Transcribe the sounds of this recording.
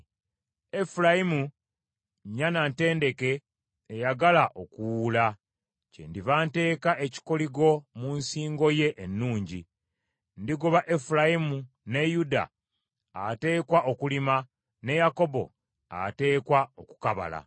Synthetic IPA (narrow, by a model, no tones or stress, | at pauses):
efuɾajimu | ɲːanante̞ːnde̞ke̞ː | jaɡalaʔo̞kuwula | ce̞̰ndivaːnte̞ːkaʔe̞ci̥koliɡo̞munsiːŋɡo̞je̞ʔːnːuːɲɟi | ndiɡoβaʔe̞fulajimu | ne̞juda̰ | a̰te̞ːkwaʔo̞kulima | ne̞jako̞bo̞̰ | a̰te̞ːkwao̞ku̥kaβa̰la̰